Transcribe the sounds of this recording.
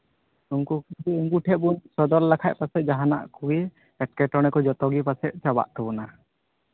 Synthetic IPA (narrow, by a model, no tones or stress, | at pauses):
uŋkukuɡiuŋɡuʈʰɛʔ̚bunsɔd̪ɔɾlakʰaʔ̚pasɛt̪̚ˀd͡ʒaɦana̰ʔkuɡi | ɛʈ̚kɛʈɔɽ̃ɛkɔd͡ʒɔt̪ɔɡipasɛt̪̚ˀt͡ʃaba̰ʔt̪ɔbɔna